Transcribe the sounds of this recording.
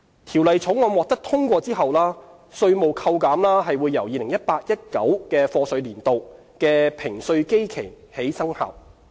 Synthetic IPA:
t̪ʰiː˨˩wlɐ˨jt͡sʰʊ˨˥wŋɔː˨˧mwɔː˨k̚t̪ɐ˥k̚t̪ʰʊ˥ŋkʷɔː˧t͡siː˥ɦɐ˨wlaː˥ | sɵ˧ɥmo˨wkʰɐ˧wkaː˨˥mlaː˥ɦɐ˨jwuː˨˧jːɐ˨˩wjiː˨˧lɪ˨˩ŋjɐ˥t̚paː˧t̚jɐ˥t̚kɐ˨˥wkɛː˧fɔː˧sɵ˨˧ɥliː˨˩nt̪o˨w | kɛː˧pʰɪ˨˩ŋsɵ˧ɥke˥jkʰe˨˩j | he˨˥jsɐ˥ŋha̰ː˨˩w

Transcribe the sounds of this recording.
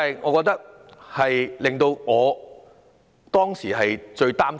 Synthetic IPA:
jŋɔː˨˧kɔː˧k̚t̪ɐ˥k̚ | hɐ˨jlɪ˨ŋt̪o˧wŋɔː˨˧ | t̪ɔː˥ŋsiː˨˩ɦɐ˨jt͡ʃɵ˧ɥt̪aː˥m

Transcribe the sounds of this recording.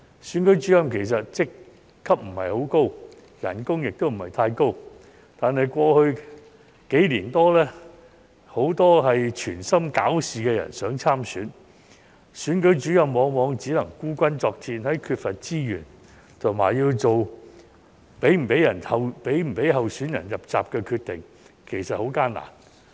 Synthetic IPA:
syː˨˥nkɵ˨˥ɥt͡ʃyː˨˥jɐ˨˧mkʰe˨˩js̬ɐ˨t̚t͡sɪ˨kʰː | ɐ˥p̚m̩˨˩hɐ̰˨jho˨˥wko˥w | jɐ̰˨˩nkʊ˥ŋjɪ˨k̚t̪o˥wm̩˨˩hɐ˨˩jt̪ʰaː˧jko˥w | t̪aː˨nɐ˨jkʷɔː˧hɵ˧ɥ | ke˨˥jliː˨˩nt̪ɔː˥lɛː˥ | ho˨˥wt̪ɔː˥ɦɐ˨jt͡ʃʰyː˨˩nsɐ˥mka̰ː˨˥wsiː˨kɛː˧jɐ̰˨˩nsœː˨˥ŋt͡sʰaː˥msyː˨˧˥n | syː˨˥nkɵ˨˥ɥt͡ʃyː˨˥jɐ˨˧wmɔː˨˧ŋmɔː˨˧ŋt͡si˨˥lɐ˨˩ŋkuː˥kʷɐ˥nt͡sɔː˧k̚t͡siː˧nhɐ˨˥jkʰyː˧t̚fɐ˨t̚t͡siː˥jy̰ː˨˩n | t̪ʰʊ˨˩ŋma̰ː˨˩jjiː˧wt͡so˨w | pe˨˥jm̩˨˩pe˨˥jɐ˨˩nʰɐ˨wpe˨˥jm̩˨˩pe˨˥jɦɐ˨wsyː˨˥njɐ̰˨˩njɐ˨p̚t͡sa̰ː˨p̚kɛː˧kʰyː˧t̚t̪ɪ˨ŋ | kʰe˨˩jsɐ˨t̚ho˨˥wkaː˥nla̰ː˨˩n

